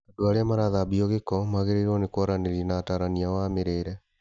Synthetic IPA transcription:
adoaɾeamaɾaðabiɔɣekɔmaɣeɾeɾɔnekwaɾaneɾiɛnaːtaːɾaniawameɾeːɾɛ

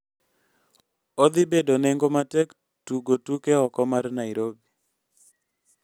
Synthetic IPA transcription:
ɔd̪ibedoneŋɡomatɛk | tuɡotukeɔkɔmarnaiɾobi

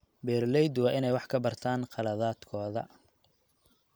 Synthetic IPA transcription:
bɛːrlɛjd̪wɑːʔɪnɛjwɑħkʰɐbɐrt̪ʰaːnqɑlɐðaːd̪̥kʰɔːðɐ̰

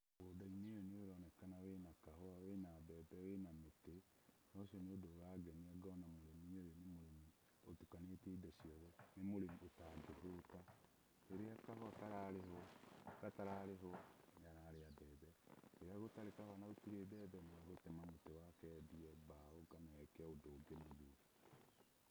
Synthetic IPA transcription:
bodainejɔneoɾɔnɛkanawenakaɦɔawenabɛðɛwenamete | ɾɔʃiɔneodoːwaɡɛniɛɡɔnamoɾemiɲejenemoɾemi | otukaneteidɛʃiɔðɛnemoɾemiotadoɦota | eɾeakahɔataɾaɾeɦɔkataɾaɾeɦoɲaɾaɾeadɛːðɛeɾeaɣotaɾekahɔanaotiɾedɛðɛomɛɣotemamotewakɛːdiɛβaoɡanaɛkɛodoːɡenaðuɾi

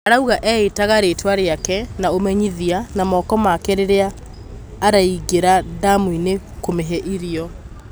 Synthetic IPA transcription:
aɾauɣaʔɛetaɣaɾeːtwaɾeakɛnaomɛɲiðianamɔkɔmakɛɾeɾeaː | ɾaiɡeɾadamwine | komeɦɛʔiɾiɔ

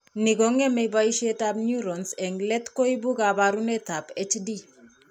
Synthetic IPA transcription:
niɡɔŋɛmebaiʃɛtab̚nuɾɔnsɛŋɡlɛt̪koibukabaɾunɛtapɛt͡ʃdi

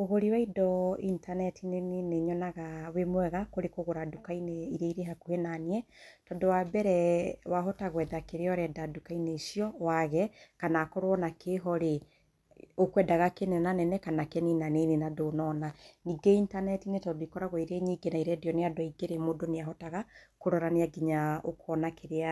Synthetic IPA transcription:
oɣoɾiwaidɔintanɛtʰineneneɲɔnaɣawemwɛɣakoɾekoɣoɾadukainɛiɾeiɾeɦakuhenaniɛtɔndowabɛɾɛwaɦɔtaɣwɛðakeɾeɔɾɛdadukainɛisiɔwaɣɛkanakɔɾoɔnakʰeɦɔɾe | okwɛdaɣakenɛnanɛnɛkanakɛninanenenadonɔnaniɡeintanɛtinetɔdoikɔɾaɣɔiɾeɲiɡenaiɾɛdiɔneadɔiɡeɾemodoneaɦɔtaɣakoɾɔɾaneaɡiɲao̰kɔnakʰeɾea

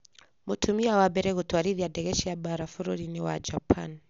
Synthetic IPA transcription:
mutʰumiawabɛɾɛɣutwaɾiðijadɛɣɛʃiabaɾafuɾuɾiniwa̰d͡ʒapʰan

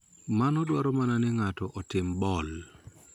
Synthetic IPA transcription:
manɔdwaɾɔmananɛŋatɔʔɔtɪmbɔl

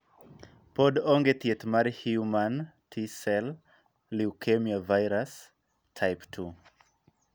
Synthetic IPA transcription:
pɔdɔŋɡet̪iɛtmaɹihjumãntʰisɛl | liukʰemiavajɾas | tʰajptʰu

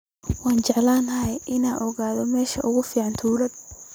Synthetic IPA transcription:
wɑːnt͡ʃɛʕlaːnɐɦɛjʔɪnaːʔɔɣaːðɔmɛːʃɐʔʊɣʊfiːʕɑnt̪ʰuːlɐd̪

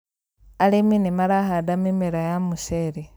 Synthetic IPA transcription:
aleminimalaxadamimeɾajamuʃeɾi

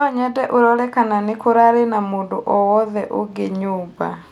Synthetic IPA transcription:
ɔɲɛdɛʔoɾɔɾɛkananekoɾaɾenamondoʔɔwɔðɛʔoɡeɲuːba̰

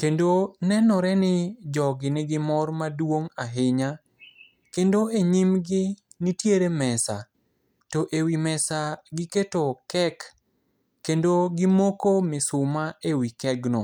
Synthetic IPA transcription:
kendonɛnɔɾɛnɪd͡ʒɔɡɪnɪɡɪmɔrmadwoŋaɦɪɲa | kendoeɲimɡɪ | nɪtjeɾemɛsa̰ | toʔewimɛsaɡɪketokɛkː | endoɡɪmokomɪsʊmaewikɛɡnɔ

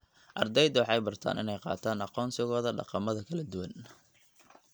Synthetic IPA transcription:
ʔɑrd̪ɛjd̪wɑħɑjbɐrt̪ʰa̰ːnʔɪ̰nɛjqɑ̰ːt̪ʰaːnɑqɔːnsɪɣɔːðɐɖɑ̰qɑmɐðɐkʰɐlɐd̪ʊwɐn

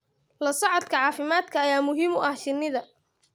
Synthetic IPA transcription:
lɐsɐʕɔd̪kʰɐʕɑːfɪmaːd̪kʰɐːjaːmʊɦiːmʊʔɐhʃɪnːɪðɐ

